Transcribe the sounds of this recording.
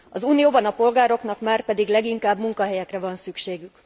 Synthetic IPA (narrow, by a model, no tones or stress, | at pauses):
ɒzuːnijoːbɒnɒpo̞lɡaːɾo̞kn̪ɒkmaːrpɛd̪iɡlɛɡiŋkaːbmuŋkɒɦɛjɛkrɛvɒnsykʃeːɡyk